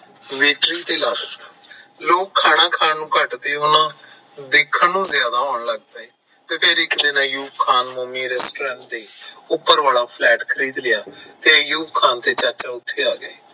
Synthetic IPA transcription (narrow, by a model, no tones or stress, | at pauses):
ʋeːʈɾiːt̪eːlaːsəd̪aːloːkkʰːaːɽãːkʰaːnnũːkəʈt̪eːʊnãː | d̪ɪkʰːənnũːzɪjaːd̪aːɦoːɳləɡ̚t̪aːeː | t̪eːpʰeːɾɪkd̪enãːjuːpkʰaːnmoːmiːɾɛːsʈoːɾãːɳʈd̪eːʊpːəɾʋaːlaːpʰlɛːʈkʰəɾiːd̪lɪjaːt̪eːjuːpkʰaːnt̪eːt͡ʃəɾt͡ʃaːʊt̪ʰːeːaːɡəeː